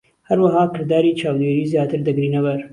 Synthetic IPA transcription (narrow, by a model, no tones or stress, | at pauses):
hɐɾwɐɦaːkɨɾd̪aːɾiːt͡ʃʰaːwd̪eːɾiːzjaːt̪ɨɾd̪ɐɡɾiːnɐwɐɾ